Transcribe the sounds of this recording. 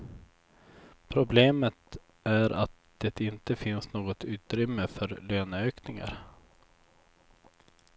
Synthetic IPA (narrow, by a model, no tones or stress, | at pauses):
pʰɾʊbleːmət̪ | æɾʔa̰t̪̚d̪̥ɛt̪ɪnt̪əfɪnsnoːɡɔt̪ʉ̟ːt̪ɾʏmːəfœɾløːnøːknɪŋa̰ɾ